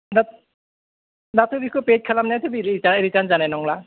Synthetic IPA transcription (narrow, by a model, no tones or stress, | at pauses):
da | datʰɯbikʰɯpet̚kʰalamnajtʰɯbiɾit͡ʃaneɾitanzanajnɔŋla